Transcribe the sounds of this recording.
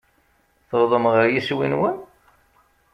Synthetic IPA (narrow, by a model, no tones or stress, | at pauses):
θəðˤəmʁəɾjiswinwən